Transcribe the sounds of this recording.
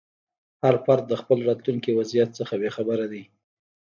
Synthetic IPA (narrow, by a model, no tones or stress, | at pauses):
haɾfaɾt̪̚d̪əxpəlɾɑt̪luŋkiwazijat̪səxabexabəɾad̪i